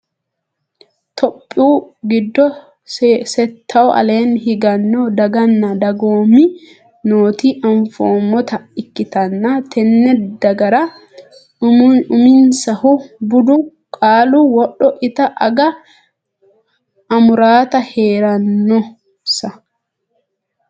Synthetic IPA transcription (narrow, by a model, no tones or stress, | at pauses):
t̪ɔpʼːuːɡɪd̪ːɔ | sɛt̪ʰːɐʔɔʔɐ̰le̞ːnhɪɡɐnːɔd̪ɐɡɐnːɐd̪ɐɡoːmi | noːt̪iʔɐɱfoːmːɔt̪ɐɪkːɪt̪ɐnːat̪ʰɛnːɛd̪ɐɡɐɾɐ | ʊmɪnsɐhʊbʊd̪ʊ | kʼaːluwɔɗɔʔɪt̪ɐʔɐɡɐ | ɐmʊɾaːt̪ɐheːɾɐnːɔ | sɐ